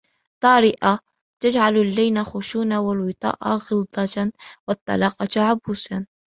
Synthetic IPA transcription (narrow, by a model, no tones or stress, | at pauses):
t̪ˤɑːɾɪʔa | t̪ad͡ʒʕalalːajnaxʊʃuːnawalwɪt̪ˤɑ̰ːʔa̰ɣɪld̪ˤɑwɑt̪ˤːɑ̰lɑːqɑt̪ʕabuːsan